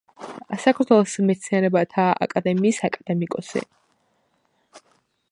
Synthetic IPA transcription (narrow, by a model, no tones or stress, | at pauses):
sakʰaɾt̪ʰwɛlˠɔsmɛt̪sʰniaɾɛbat̪ʰaa̰kʼad̪ɛmiːsakʼad̪̥ɛmikʼɔsḭ